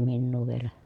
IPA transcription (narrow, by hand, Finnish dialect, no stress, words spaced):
minːuː ʋielæ